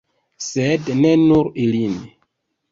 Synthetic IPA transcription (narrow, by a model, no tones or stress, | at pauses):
sednenuɾilin